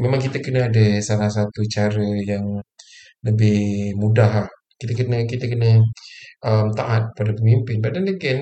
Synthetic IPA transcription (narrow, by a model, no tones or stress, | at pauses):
memaŋkit̪akənaːdasalahsat̪ut͡ʃaɾəjaŋ | ləbɪhmudaɦlah | kit̪akənəkit̪əkənəʔəmt̪aʔat̪̚padapəmimpɪnbadandəkən